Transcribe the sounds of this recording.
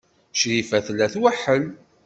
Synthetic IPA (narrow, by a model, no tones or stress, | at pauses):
ʃɾifæθlːæθwaħəl